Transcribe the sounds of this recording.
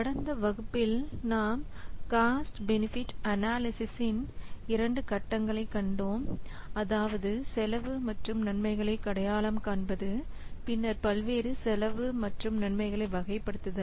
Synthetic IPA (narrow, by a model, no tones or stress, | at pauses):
kɐɽɐnd̪ɐʋɐɣɯpːɪlnaːm | kaːsʈbɛnɪfɪʈɐnaːlɪsɪsɪnɪɾɐɳɖɯkɐʈːɐŋɡɐɭɐɪkːɐɳɖoːm | ɐðaːʋɐðɯsɛlɐʋɯmɐʈrɯmnɐɳmɐɪɣɐɭɐɪkːɐɽɐjaːlɐmkaːɳbɐðɯ | pɪnːɐɾpɐlʋeːɾɯsɛlɐʋɯmɐʈrɯmnɐɳmɐɪɣɐɭɐɪʋɐɣɐɪpːɐɽɯt̪ːɯðɐ